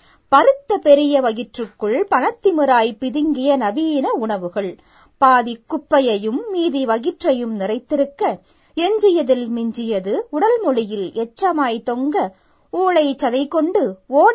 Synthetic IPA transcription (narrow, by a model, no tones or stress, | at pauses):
pɐɾɯt̪ːɐpɛɾɪjɐʋɐɣɪʈrɯkːɯɭpɐnɐt̪ːɪmɯɾaːjpɪðɪŋɡɪjɐnɐʋiːnɐʊɳɐʋɯɣɐɭ | paːðikːʊpːɐjɐjɯmːiːðiʋɐɣɪʈrɐjɯmnɪrɐɪt̪ːɪɾɯkːɐ | ɛɲd͡ʒɪjɐðɪlmɪɲd͡ʒɪjɐðɯʊɽɐlmɔɻɪjɪlɛʈrɐmaːjt̪ɔŋɡɐ | uːɭɐɪt͡ʃːɐðɐɪkːɔɳɖɯoː